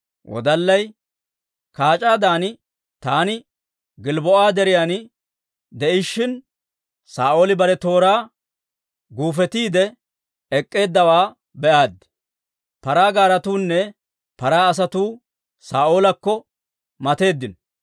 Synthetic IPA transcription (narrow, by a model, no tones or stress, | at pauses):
wɔ̰d̪ɐlːɐj | kaːt͡ʃʼaːd̪aːnɪ | t̪aːnɪ | ɡɪlbɔʔaːd̪ɛɾɪjaːn | d̪ɛʔɪʃːɪn | saːʔoːlɪbɐɾɛt̪o̞ːɾaː | ɡuːfɛt̪iːd̪ɛ | ɛkʼːe̞ːd̪ːɐwaː | bɛʔaːd̪ | pɐɾaːɡaːɾɐt̪uːnːɛ | pɐɾaːɐs̬ɐt̪uː | saːʔo̞ːlɐkːɔ | mɐt̪e̞ːd̪ːɪn